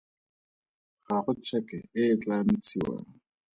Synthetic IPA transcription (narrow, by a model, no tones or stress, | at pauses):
χaχʊt͡ʃʰɛkɛ̰ɪːt͡ɬan̩t͡sʰiwa̰ːŋ̩